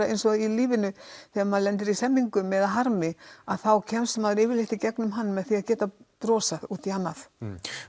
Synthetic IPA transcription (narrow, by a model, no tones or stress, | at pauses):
aejnsɔiliːvɪnʏθɛɣamanlɛnt̪̬ɪɾisɛmːiŋkʏmɛðaɦaɾmɪaðθawcʰɛmsmaðɾɪːvɪlɪht̪ɪcɛknʏmɦanːmɛðθiacɛːt̪apɾɔːsaðuːt̪ihanːaθ